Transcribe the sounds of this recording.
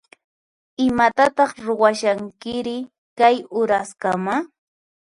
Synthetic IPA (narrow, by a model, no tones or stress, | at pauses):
ɪmat̪at̪ɑχɾʊwaʃaŋkɪɾɪ | kajʊɾaskama